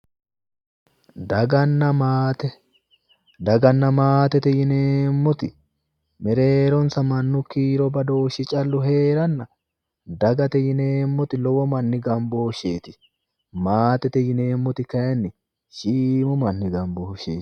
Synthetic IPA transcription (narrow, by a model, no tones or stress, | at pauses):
d̪ɐɡɐnːɐmaːt̪ɛ | d̪ɐɡɐnːɐmaːt̪ɛt̪ɛjɪneːmːɔt̪ɪ | mɛɾe̞ːɾɔnsɐmɐnːʊkiːɾɔbɐd̪o̞ːʃɪt͡ʃʼɐlːʊɦe̞ːɾɐnːɐ | d̪ɐɡɐt̪ɛjɪneːmːɔt̪ɪlɔwɔmɐnːɪɡɐmboːʃeːt̪ɪ̥ | maːt̪ɛt̪ɛjɪne̞ːmːɔt̪ɪkɐjɐnːɪ | ʃiːmʊmɐnːɪɡɐmboːʃḛːt